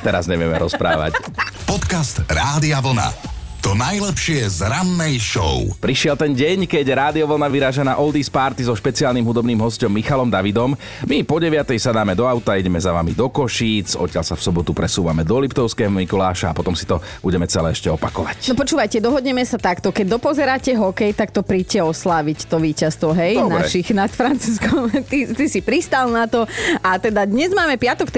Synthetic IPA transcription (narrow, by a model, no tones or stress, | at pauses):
t̪ɛɾazɲɛʋɪɛmɛ̰ɾɔspɾa̰ːʋa̰cpɔt̪kast̪ɾaːd̪iaʋl̩na̰ | t̪ɔnajlɛpʃɪɛzɾanːɛjʃɔ̰ʊpɾiʃɪɛlt̪ɛnɟɛɲkɛɟɾaːd̪iɔʋl̩naʋiɾaːʒanaːʔɔld̪ispaɾt̪izɔʃpɛt͡siaːlnimɦud̪ɔbniːmɦɔscɔmːixalɔmd̪aʋid̪ɔm | mipɔɟɛʋɪat̪ɛjsad̪aːmɛd̪ɔaʊt̪aiɟɛmɛzaʋamid̪ɔkɔʃiːt͡sɔ̰t̪ːɪalsafsɔbɔt̪upɾɛsuːʋamɛd̪ɔlipt̪ɔʊskɛːɦɔmikɔlaːʃaːpɔt̪ɔmsi̥t̪ɔ | buɟɛmɛt͡sɛlɛ̰ɛʃcɛɔpakɔʋacnɔpɔt͡ʃuːʋajcɛd̪ɔɦɔd̪ɲɛmɛsat̪akt̪ɔkɛɟ̚d̪ɔpɔzɛɾaːcɛɦɔkɛjt̪akt̪ɔpɾiːcɛɔslaːʋict̪ɔʋiːcast̪ʋɔɦɛjdɔnɾaɛ̰ʃixnat̪fɾant͡suːskɔmt̪it̪isipɾist̪alnat̪ɔat̪ɛd̪ad̪ɲɛzmaːmɛpɪat̪ɔkt̪